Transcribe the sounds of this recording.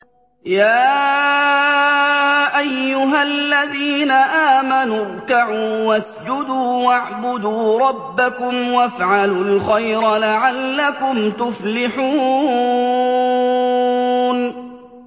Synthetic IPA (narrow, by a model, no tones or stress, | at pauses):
jaː | ʔajːʊɦalːaðiːnaʔaːmanʊɾˤkaʕuːwasd͡ʒʊd̪uːwaʕbʊd̪uːɾˤɑbːakʊmwafʕalulxajɾlaʕalːakʊmt̪ʊflɪħuː | n